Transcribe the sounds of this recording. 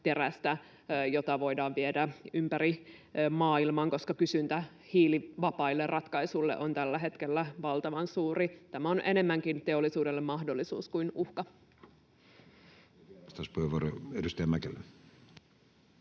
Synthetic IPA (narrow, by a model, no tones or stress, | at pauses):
t̪e̞ræst̪æ | jot̪ɑʋo̞idɑːʋʋiedæympæɾimɑːilmɑŋko̞skɑkysynt̪æ | hiːliʋɑpɑilːerrʔɑt̪kɑisulːḛʔont̪ælːæɦe̞t̪kelːæʋɑlt̪ɑʋɑnsuːrit̪æmæonʔene̞mːæŋkint̪eolːˑisuːdelːemːɑhdolːisṵːskuinuhkɑ | st̪ɑspuheʋːuoɾroedust̪æjæmækelːe